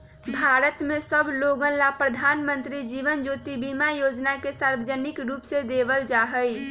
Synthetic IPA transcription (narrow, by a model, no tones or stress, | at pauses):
bʱaɾət̪mesəbʱloɡənlapɾəd̪ʱanmənt̪ɾid͡ʒiʋənd͡ʒot̪ibimajod͡ʒnakesaɾbəd͡ʒənikɾupsed̪ebəld͡ʒaɦəj